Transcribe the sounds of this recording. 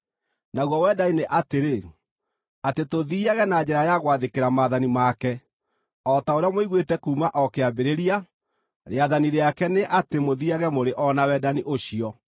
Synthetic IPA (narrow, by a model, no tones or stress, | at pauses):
naɣwɔwɛdaineʔateɾe | atetoðiːaɣɛnad͡ʑɛɾajaɣwaðekeɾamaːðanimakɛ | ɔtaoɾeamoiɣwetɛkuːmaʔɔkeabeɾeɾia | ɾeaðaniɾeakɛneʔatemoðiaɣɛmoɾeʔɔnawɛdaniʔoɕiɔ